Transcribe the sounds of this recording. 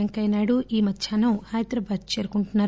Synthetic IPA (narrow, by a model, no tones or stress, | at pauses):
ɐŋkɐjnaːɽuiːmɐd̪ʱjaːnɐmhaːjt̪ɾɐbaːd̪̚t͡ʃeːɾukuɳʈunːaːɾ